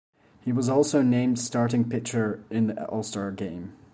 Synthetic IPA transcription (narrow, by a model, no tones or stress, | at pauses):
hiwʌzɔlˠsoʊnẽɪ̃md̥staɹɾɪ̃ŋpʰɪk̚t͡ʃə˞ɪ̃nðiʔʔɔ̰lˠstɑɹɡẽɪ̃m